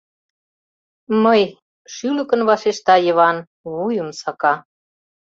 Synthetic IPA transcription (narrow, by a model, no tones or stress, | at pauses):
məj | ʃylə̆kə̆nβɑʃeʃt̪ɑjəβɑn | βujə̆msɑkɑ